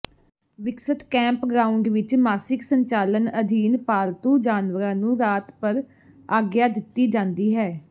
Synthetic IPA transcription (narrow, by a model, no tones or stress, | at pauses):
ʋɪksət̪kɛ̃ːmpɡɾaːʊɳɖʋɪt͡ʃmaːsɪksəɲt͡ʃaːlənəd̪ʱiːnpaːɾt̪uːd͡ʒaːnʋəɾãːnũːɾaːt̪pəɾ | aːɡjaːd̪ɪt̪ːiːd͡ʒãːnd̪iːɦɛː